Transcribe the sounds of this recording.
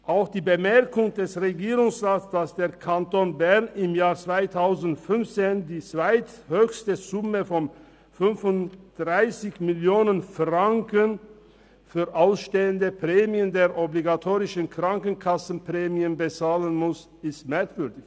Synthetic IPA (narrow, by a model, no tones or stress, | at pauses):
ʔaʊxd̥iːbəmɛɐkʊŋdɛsʁeɡiːʁʊŋsʁaːtsd̥asd̥eːɐkʰantoːnbɛɐnɪmjaːɐt͡sv̥aɪtʰaʊzn̩tfʏnft͡seːndiːt͡sv̥aɪthøːçstəzʊməfɔn | fʏnfʊnd̥ʁaɪsɪçmɪljoːnənfʁaŋkən | fyːɐʔaʊsʃteːəndəpʁ̥ɛːmiəndeːɐʔɔbliɡatʰoːʁɪʃn̩kʁ̥aŋkən̩kʰasn̩pʁ̥ɛːmiənbət͡saːlənmʊs | ɪstmɛɐkv̥ʏɐdɪç